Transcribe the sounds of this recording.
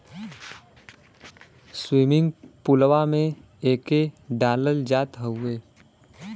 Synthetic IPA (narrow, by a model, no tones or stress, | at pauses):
swiːmɪ̃ŋɡpʊlwamẽ | eːkeɖaːləld͡ʒaːt̪ɦəʊeː